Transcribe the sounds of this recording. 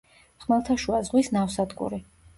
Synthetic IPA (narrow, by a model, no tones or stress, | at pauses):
χmɛlˠt̪ʰaʃuazʁwisnafsad̪kʼṵɾi